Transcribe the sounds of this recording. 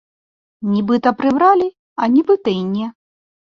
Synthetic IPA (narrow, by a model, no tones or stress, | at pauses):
nʲibɨt̪ɐpɾɨbɾalʲi | ɐnʲibɨt̪ɐjnʲɛ